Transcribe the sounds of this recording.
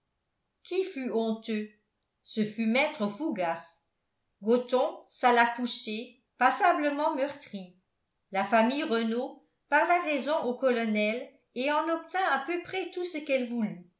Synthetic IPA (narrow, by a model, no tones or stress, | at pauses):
kʰifyɔ̃t̪ø | səfymɛt̪χəfuɡas | ɡot̪ɔ̃salakuʃe | pasabləmɑ̃mœʁt̪χi | lafamijʁəno | paʁlaʁɛzɔ̃ʔokɔlɔnɛl | eɑ̃nɔp̚t̪ɛ̃ɛ̃pøpχɛt̪usəkɛlvuly